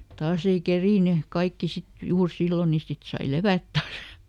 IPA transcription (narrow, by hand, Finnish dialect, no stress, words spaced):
tɑːs ei keriˑny kɑikːi sit juːr silːo ni sit sɑi leʋæt tɑːs